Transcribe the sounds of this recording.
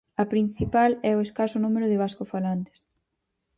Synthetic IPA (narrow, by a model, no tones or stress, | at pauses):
ɐpɾin̟θipalɛoeskasʊnũmeɾʊðɪβ̞askʊfalant̪e̥s